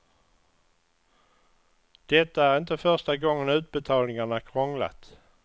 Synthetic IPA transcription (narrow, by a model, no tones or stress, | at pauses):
d̪̥ɛt̪ːaæɾɪnt̪əfœʂʈaɡɔŋːənʉ̟ːt̪̚bɛt̪ʰɑːlnɪŋaɳakʰɾɔŋla̰t̪